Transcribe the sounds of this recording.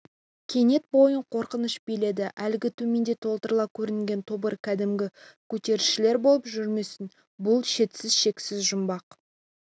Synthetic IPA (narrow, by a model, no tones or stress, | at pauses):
kʲʰe̞ne̞t̪̚bo̞jəɴqʰo̞ɾqənəʃbejle̞d̪ɪʔælɪɡʲɪt̪ʰɵme̞nd̪e̞t̪ʰo̞lˠt̪əɾlˠɑp̚kʲʰɵɾɪnɪŋɡʲe̞nt̪ʰobəɾkʲʰæd̪ɪmɡʲɪkʲʰɵt̪e̞ɾɪʃɪle̞ɾbo̞lˠəpʒʏɾme̞sɪn | bʊlˠʃe̞t̪sɪzʃe̞kʲsɪzʒʊmbɑq